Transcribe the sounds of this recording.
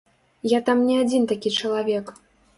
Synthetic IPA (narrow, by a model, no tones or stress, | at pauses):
jat̪amnʲɛad͡zʲint̪akʲit͡ʂɐlˠavʲɛk